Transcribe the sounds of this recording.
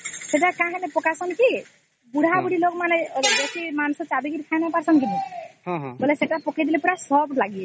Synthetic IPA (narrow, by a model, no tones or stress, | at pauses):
seʈakaɦẽlepɔkasʌnki | buɽ̤ʱabuɽilokmaneɡesimansɔt͡ʃabiɡiɾkʰajnapaɾsɔnkid̪iɦɦbɔleseʈapɔked̪ilepuɾasɔblaɡie